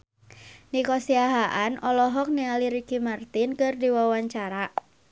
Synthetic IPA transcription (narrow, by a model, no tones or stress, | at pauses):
nikɔsiaɦaʔanʔɔlɔɦɔk̚nialiɾikimart̪inkɨrdiwawaɲt͡ʃaɾa